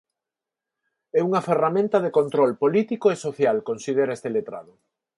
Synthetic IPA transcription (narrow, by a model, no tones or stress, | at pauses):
ɛuŋɐferamẽnt̪ɐðekont̪ɾɔlpolit̪ikoesoθjalkonsið̞eɾaest̪elet̪ɾa̰ðʊ